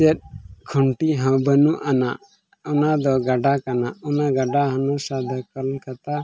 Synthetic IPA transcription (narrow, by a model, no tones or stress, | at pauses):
ɛt̪̚kʰɔɳʈiɦɔ̃bənuʔanaʔ | unad̪ɔɡaɖakanaʔɔnaɡaɖaɦãnɔsad̪ʱakəlkat̪a